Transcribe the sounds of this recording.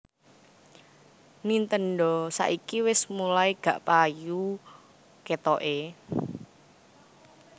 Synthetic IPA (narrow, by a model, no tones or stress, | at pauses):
nint̪ənɖɔsa̰ʔikiwɪsmulaiɡ̥ä̤ʔpaju | ket̪ɔʔe